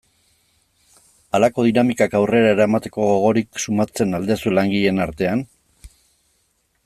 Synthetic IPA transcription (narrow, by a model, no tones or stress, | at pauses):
alako̞ð̞inamikakawre̞ɾaeɾaemat̪e̞ko̞ɣoɣ̞o̞ɾiksumat͡se̞nald̪esulaŋɡiʎe̞naɾt̪e̞an